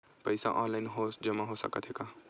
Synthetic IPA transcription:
pəjsa̰ʔɔnlaɪnɦosd͡ʒəmaɦosə̰kət̪ʰɦeka

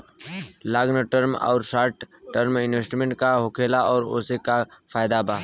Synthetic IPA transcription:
laːɡnəʈəɾmɔ̰ːɾʃaːɾʈːəɾmɪnʋeːsʈmẽɳʈkaɦokʰeːlaɔːɾo̰ːsekafʰaːɪd̪abaː

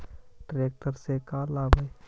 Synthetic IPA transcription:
ʈɾeːk̚ʈəɾsekaːlaːbʱəe

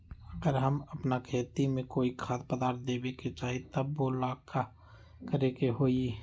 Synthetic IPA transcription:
əɡəɾɦəməpnakʰeːt̪imẽkoːikʰaːt̪̚pəd̪aːɾt̪̚d̪eːbeket͡ʃaːɦit̪əbːolaːka | kəɾekeɦoːi

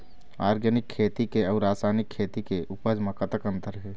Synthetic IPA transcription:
aːɾɡənɪkʰːeːt̪ikeɔːɾaːsaːnɪkʰːeːt̪ikeʔʊpəd͡ʒmãkət̪əkə̃nt̪əɾɦɛː

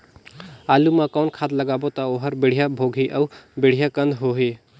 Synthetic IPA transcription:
alumakaʊnkʰad̪ləɡabot̪əoɦəɾbeɽ̤ijabʱoɡʱiʔəwbeɽ̤ijakənd̪ʱɦoɦe

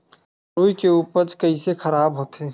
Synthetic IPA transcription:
ɾoːjkeuːpəɾt͡ʃkɐisexʰɐɾaːbɦoːt̪eː

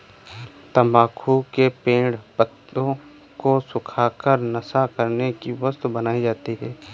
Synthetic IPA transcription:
t̪ɐmaːkʰukepẽːɽpət̪õ | kosʊkʰaːkəɾnəsakəɾnekiwəst̪bənaːid͡ʒaːt̪iɦɛː

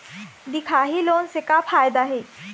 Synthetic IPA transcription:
d̪ikʰaɦiloːnsekafʰaːjd̪aɦe

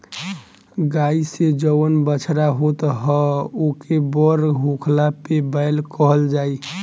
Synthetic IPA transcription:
ɡaised͡ʒəwənbət͡ʃʰɾaɦot̪ɦəokebɔɾɦukʰlapebəɪlkəɦəld͡ʒaːi

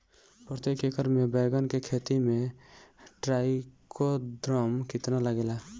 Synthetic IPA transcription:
pɾt̪ekekəɾmebɛɡənkekʰet̪ime | ʈɾaikod̪ɾəmkit̪nalaɡela

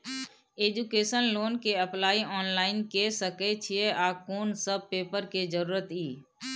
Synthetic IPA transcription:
eːd͡ʒukeːʃənloːnkeəplaːiɔːnlaːɪnkesəket͡ʃʰieʔaːkoːnsəb̚peːpəɾked͡ʒəɾuːɾət̪iː

